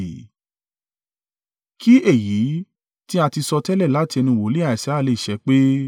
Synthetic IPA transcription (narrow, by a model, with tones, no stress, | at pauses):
ki˦e˦˨jiː˨˦ | tĩ˦a˧ti˧sɔ˧tɛ˦lɛ˦˨la˦ti˧ɛ˧nĩ˧˨wo˨˦li˦a˦˨i˨sɛ˨˦˨le˨˧i˨ʃɛ˨˦k͡pe˦